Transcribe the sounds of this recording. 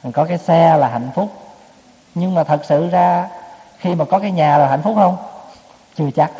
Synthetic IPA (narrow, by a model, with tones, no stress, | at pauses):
kɔ˨˦kaː˨˦jsɛ˧laː˨˩ɦa̰˧˨jŋ̟fʊ˦˥k͡p̚ | ɲɨ˧ŋmaː˨˩t̪ʰə˨˩k̚sɨ̰˧˨zaː˧xi˧maː˨˩kɔ˨˦kaː˨˦jɲaː˨˩laː˨˩ha̰˧˨j̟fʊ˦˥k͡p̚hə˧wŋ͡m | t͡ɕɨ˧˩ət͡ɕa˦˥k̚